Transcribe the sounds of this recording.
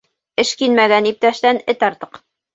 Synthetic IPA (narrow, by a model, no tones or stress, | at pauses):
ɘ̆ʃkinmæɡænip̚t̪æʃt̪ænɘt̪ɑɾt̪ɤ̥q